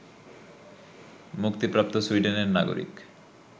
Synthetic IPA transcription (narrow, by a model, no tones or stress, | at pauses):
mukt̪ipɾap̚t̪osuiɖeneɾnaɡo̰ɾḭk